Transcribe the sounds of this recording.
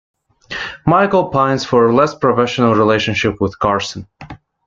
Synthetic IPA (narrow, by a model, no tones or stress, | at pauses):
maɪkl̩ˠpʰãɪ̃nz̥fə˞lɛspʰɹ̥ɔfɛʃənəl̩ˠɹileɪʃɨ̃nʃɪpwɪð̥kʰɑɹsə̃n